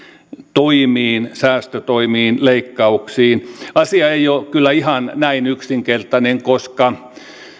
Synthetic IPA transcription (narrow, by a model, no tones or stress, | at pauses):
t̪oimiːnsæːst̪øt̪oimiːnleikːɑuksiːnɑsiɑeiokylːæihɑnnæinyksiŋkert̪ɑneŋkoskɑ